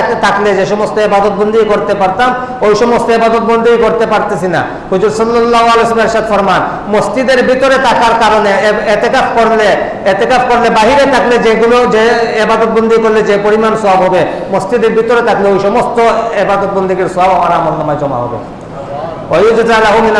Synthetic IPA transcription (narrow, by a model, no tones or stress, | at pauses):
t̪ʰakled͡ʑeʃɔmost̪oebad̪ot̪̚bond̪ʱikoɾt̪epaɾt̪am | ojʃɔmost̪oebad̪ot̪̚bond̪iɡekoɾt̪epaɾt̪esʰina̰ | kud͡ʑuɾsɔlːɔlːaɦoalesɔlmeɾʃad̪fɔɾman | mosd͡ʑid̪eɾbit̪oɾet̪akaɾkaɾoneet̪ekafkoɾle | et̪ekafkoɾlebaɦiɾet̪ʰakled͡ʑeɡulod͡ʑeebad̪ot̪̚bond̪ʱikoɾled͡ʑepoɾimansɔɦabɦɔbe | mosd͡ʑid̪eɾbit̪oɾet̪ʰakleojʃɔmost̪oebad̪ot̪̚bond̪ʱiɡeɾsɔɦabamaɾamalnɔmad͡ʒɔma̰ɦɔ̰bḛ | ojud͡ʑd̪alaɦumina